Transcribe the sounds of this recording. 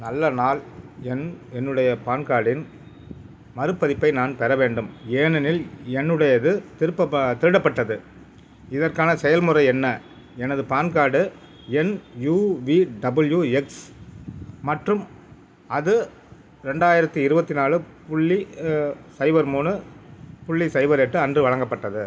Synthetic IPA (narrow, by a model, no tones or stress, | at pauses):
nɐlːɐnaːlɛnɛnːɯɽɐjɐpaːnkaːɽɪn | mɐɾɯpːɐðɪpːɐɪnaːnpɛɾɐʋeːɳɖɯmeːnɐnɪlɛnːɯɽɐjɐðɯt̪ɪɾɯpːɐt̪ɪɾɯɽɐpːɐʈːɐðɯ | ɪðɐrkaːnɐsɛjɐlmɯɾɐɪɛnːɐ | ɛnɐðɯpaːnkaːɽɯ | ɛnjuːʋiɖɐbɯljuːɛks | mɐʈrɯm | ɐðɯ | ɾɛɳɖaːjɪɾɐt̪ːɯɪɾɯbɐt̪ːɪnaːɭɯpʊɭːi | sɐɪʋɐɾmuːɳɯpʊɭːisɐɪʋɐɾeʈːɯɐndrɯʋɐɭɐŋɡɐpːɐʈːɐðɯ